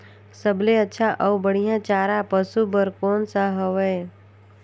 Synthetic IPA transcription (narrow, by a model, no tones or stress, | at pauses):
səbleətːʃʰaʔɔʋbəɽ̤ijãt͡ʃaːɾapəsubəɾkɔːnsaɦəʋəe